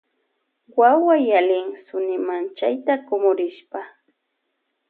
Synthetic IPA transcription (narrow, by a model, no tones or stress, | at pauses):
wawajalɪŋsʊnɪmant͡ʃajt̪akʊmʊɾɪʃpa